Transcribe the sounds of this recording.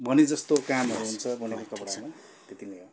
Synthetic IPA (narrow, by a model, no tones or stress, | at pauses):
bʱʌnid͡zʌst̪okamɦʌɾuɦunt͡sʰʌbʌnʌkakʌpʌɽsʰʌma | t̪et̪ineɦo